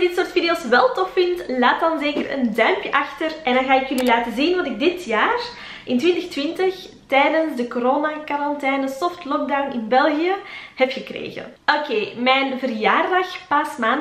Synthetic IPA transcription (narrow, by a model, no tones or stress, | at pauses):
dɪtsoːrtfidioːsʋɛlˠtɔfːɪntlaːt̚dɑnzeːkərə̰ndœɥmpjəʔɑxtərʔɛndɑnɣaːɪkjʏlilaːtəzinʋɑtɪɡ̚dɪtjaːr | ʔɪntʋɪntəxtʋɪntəx | tɛːdənzdəkoɾoːnakaɾɑntɛːnəsɔftlɔk̚dawnɪnbɛlˠɣijəhɛpxəkrḛːɣə̰nʔokeːmɛːnvərjaːrdɑxpasmaːn